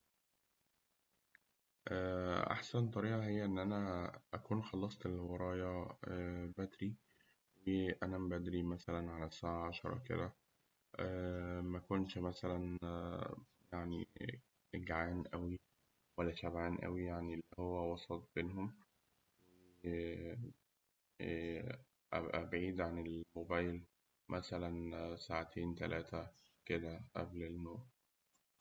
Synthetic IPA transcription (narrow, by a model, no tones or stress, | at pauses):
ʔæʔa̰ħsænt̪ˤɑɾiːʔɑɦejːæʔenːʔænæʔækuːnxɑlːɑsˤt̪elwɑɾˤɑːjɑ | bæd̪ɾi | weʔænæmbæd̪ɾimæsælænʕalæsaːʕaʕaʃɑɾˤɑ̰kḛd̪æ | mækonʃmæsælæn | jaʕnḭ | ɡʕaːnʔæwi | wælːæʃæbʕaːnʔæ̰wijaʕnielːihowːæwɑsˤɑt̪̚ˤbeːnhom | we | ʔæʔæbʕiːd̪ʕanelmobæːjl | mʔæsælænsaːʕat̪ʰeːnt̪ælʔæːt̪æ | ked̪æʔæblenːoːʕ